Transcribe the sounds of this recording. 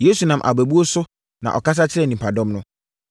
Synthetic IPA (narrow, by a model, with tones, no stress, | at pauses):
je˨˦su˨nã˨mʔa̰˨bæ˨bu˦o˦sʊ˦ | nã̰˨ʔɔ˨ka˦s̬a˦t͡ɕʰɪ˦ɾɛ˦˨nĩ˨mpʰa˨dɔ̃˦mnʊ̃˦